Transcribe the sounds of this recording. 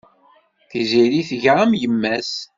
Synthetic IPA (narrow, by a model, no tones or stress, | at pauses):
θiziɾiθəʝʁamjəmːæs